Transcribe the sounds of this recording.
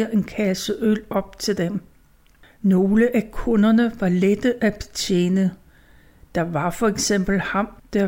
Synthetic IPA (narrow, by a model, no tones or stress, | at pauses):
ɐʔe̝nkʰæsəʔølɒ̽b̥̚t͡sʰe̝ld̥em | no̝ːləʔækʰɔ̽nɐnəʋɑ̈led̥əʔæb̥e̝̥t͡sʰḛːnə | d̥ɑ̈ʋɑ̈fɒ̽eɡ̥sem̰b̥l̩hɑ̈md̥æɐ